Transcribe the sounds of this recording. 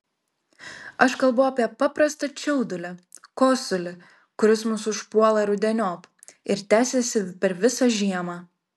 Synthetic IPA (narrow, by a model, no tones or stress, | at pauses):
ɐʃkɐlˠbɐɐpʲiɛpɑpɾɐst̪ɐt͡ʃʲɛʊd̪ʊlʲɪ | koːsʊlʲɪ | kʊɾʲɪsmʊsʊʃpuɔlˠɐɾʊd̪ʲɛnʲoːp | ɪɾt̪ʲæːsʲɛsʲɪpʲɛɾʋʲɪsɐʒʲiɛmɑː